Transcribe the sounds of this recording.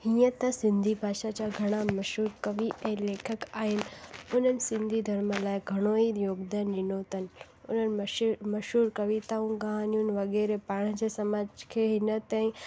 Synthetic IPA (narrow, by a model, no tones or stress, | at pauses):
hĩjə̃t̪ɐsɪnd̪ʱibʱaːʃat͡ɕaɡʱɐɽ̃amɐʃɦuːɾkəʋiʔeleːkʰəkaːɦɪnʊnənsɪnd̪ʱid̪ʱəɾməlaːjɡʱɐɽ̃oijoːɡd̪anːɪnoːt̪ən | ʊ̰nənmɐʃuːɾkəʋit̪aũɡaɦanjunʋɐɡeɾepaːɳ̃əd͡ʒesɐmaːd͡ʒkʰeɦinət̪ə̃ĩ